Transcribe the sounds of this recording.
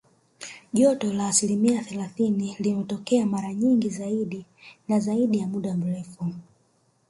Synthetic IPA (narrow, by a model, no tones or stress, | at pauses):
ʄɔtɔlaːsilimiaθɛlaθinilimɛtɔkɛamaɾaɲiŋɡizaiɗinazaiɗijamuɗam̩ɾɛfu